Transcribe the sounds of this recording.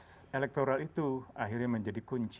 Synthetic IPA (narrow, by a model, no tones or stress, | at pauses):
elɛk̚t̪oɾalit̪uaɦirɲaməɲd͡ʒadikuɲt͡ʃ